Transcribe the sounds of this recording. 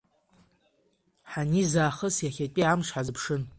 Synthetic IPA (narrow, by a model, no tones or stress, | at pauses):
ħanizaːχəsjaχʲatʼiamʂħazɨpʰʂɨn